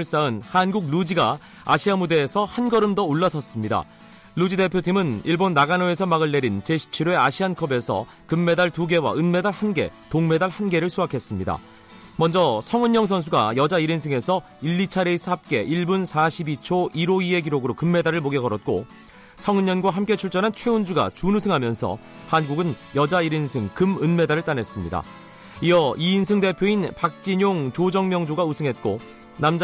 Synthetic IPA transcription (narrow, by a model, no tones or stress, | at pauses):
ɭs͈aɯnhanɡuk̚lud͡ʑiɡa | a̰ɕʰiamude̞ːsʰʌhanɡʌɾɯmdʌoɭːasʰʌs͈ɯmɲida̰ | lud͡ʑidepʰjotʰimɯniɭbonːaɡanoe̞s̬ʰʌmaɡɯɭːe̞ɾint͡ɕe̞ɕʰi̥p̚t͡ɕʰiɾoe̞aɕʰiɦankʰʌbe̞sʰʌ̰ | kɯmːe̞daɭtuɡe̞wa̰ɯnme̞daɭhanɡe̞̰toŋme̞daɭhanɡe̞ɾɯɭsʰuakʰe̞s͈ɯmɲida̰ | mʌnd͡ʑʌsʰʌŋɯɲɲʌŋs̬ʰʌns̬ʰuɡajʌd͡ʑaiɾins̬ʰɯŋe̞sʰʌ | iʎːit͡ɕʰaɾesʰap̚k͈e̞̰ʔiɭbunsʰaɕʰibit͡ɕʰoʔiɾoie̞ɡiɾoɡɯɾokɯmːe̞daɾɯɭmoɡeɡʌɾʌt̚k͈o | sʰʌŋɯɲɲʌnɡwaɦamk͈e̞t͡ɕʰuɭt͡ɕ͈ʌnɦant͡ɕʰwe̞und͡ʑuɡa̰t͡ɕunusʰɯŋɦamjʌnsʰʌ̰ | hanɡuɡɯnjʌd͡ʑaiɾinsʰɯŋkɯmɯnme̞daɾɯɭt͈anɦe̞s͈ɯmɲida̰ | iʌiːnsʰɯŋde̞pʰjoinpak̚t͡ɕ͈iɲoŋt͡ɕod͡ʑʌŋmjʌŋd͡ʑoɡausʰɯŋɦe̞t̚k͈o | namd͡ʑ